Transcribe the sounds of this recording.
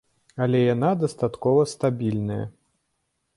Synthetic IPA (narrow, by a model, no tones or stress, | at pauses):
ɐlʲɛjanad̪ɐst̪at̪kɔvɐst̪abʲilʲnɐjɐ̰